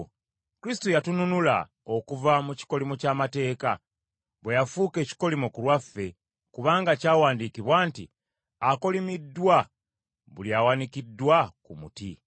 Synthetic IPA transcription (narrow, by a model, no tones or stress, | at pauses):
kɾistojatununula̰ | o̞kuvamuci̥ko̞limocaːmate̞ːka | βwejafuːke̞ːci̥ko̞limokulwafːe̞ | kuβaːŋɡacaːwaːndikiβwaːntḭ | ako̞limidːwa | βuliawanikidːwakumṵti